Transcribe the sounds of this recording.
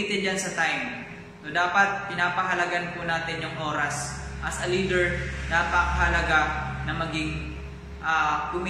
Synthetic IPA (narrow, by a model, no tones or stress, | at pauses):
iːt̪ɪnd͡ʒansɐt̪ajm | sod̪aːpɐt̪̚pɪnaːpɐɦɐlɐɡankʊnaːt̪ɪnjʊŋʔo̞ːɾɐs | ʔɐsɐliːd̪ɛɹnapɐkɐɦɐlɐɡanɐmɐɡɪŋ | ʔakʊm